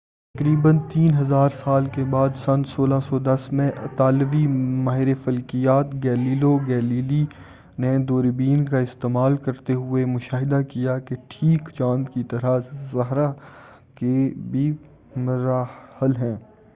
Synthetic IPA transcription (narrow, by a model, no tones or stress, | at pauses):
t̪ɐqɾiːbənt̪iːnɦɐzaːɾsaːlkebaːd̪sɐnd̪soːlãsɔd̪ɐsmẽʔɐt̪aːlɪʋimaːɦɪɾefɐlkijaːt̪ɡɛːliːloɡɛːliːli | ned̪oːɾɪbiːnkaɪst̪eːmaːlkɐɾt̪eɦʊemʊʃaːɦɪd̪akijakeʈʰiːkt͡ʃãːnd̪kit̪ɐɾazɐɦɾa | kebʱi | mʊɾaːhəlɦɛ̃ː